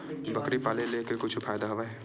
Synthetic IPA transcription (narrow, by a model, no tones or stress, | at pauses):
bɐkɾipaːlelekekʊt͡ʃʰfʰaːjd̪aɦɐʋaɦɛ